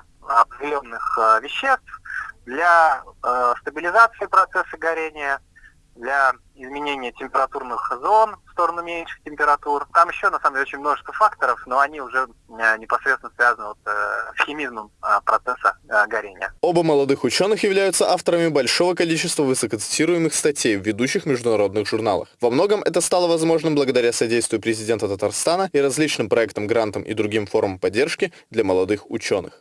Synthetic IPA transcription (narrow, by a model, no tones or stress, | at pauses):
ɐpʲɪlʲonnːɨxvʲɪɕːest̪fd̪lʲa | st̪əbʲɪlʲɪzat̪sɨɪːpɾɐt̪sɛsːəɡɐɾʲenʲɪjə | d̪lʲa | ɪzmʲɪnʲenʲɪjətʲɪmʲpʲɪɾɐt̪urnɨxzo̞nfst̪o̞ɾənʊmʲenʲʂɨ̥xtʲɪmʲpʲɪɾɐt̪urt̪amjɪɕːonɐsamdʲelʲot͡ɕʲɪnʲmno̞ʐəst̪vəfakt̪əɾəfnoɐnʲiʊʐɛ | nʲɪpɐsɾʲet̪ʲɪnəsvʲazənɨvo̞t̪sxʲɪmʲizməmpɾɐt̪sɛsəɡɐɾʲenʲɪjəo̞bəməlˠɐd̪ɨxʊt͡ɕo̞nːɨxjɪvlʲæjʊt̪səʔaft̪əɾəmʲɪbɐlʲʂo̞vəkɐlʲit͡ɕɪst̪vəvɨsəkət̪sɨ̥tʲiɾʊjɪmɨxst̪ɐtʲejvʲːɪd̪uɕːɪxmʲɪʐd̪ʊnɐɾo̞d̪nɨxʐʊrna̰lˠə̰xvɐmno̞ɡəmʔɛt̪əst̪alˠəvɐzmo̞ʐnɨmbləɡəd̪ɐɾʲasɐdʲejst̪vʲɪjʊpɾʲɪzʲɪdʲe̞nt̪ət̪ət̪ɐrst̪anəiɾɐzlʲit͡ɕnɨmpɾɐɛkt̪əmɡɾant̪əmʔḭd̪ɾʊɡʲimfo̞ɾməmpɐdʲːe̞rʂkʲɪ | d̪lʲɐməlˠɐd̪ɨxʊ̰t͡ɕo̞nɨ̰x